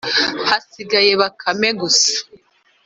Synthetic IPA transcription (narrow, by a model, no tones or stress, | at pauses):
hasiɡajeβakʰameɡusḁ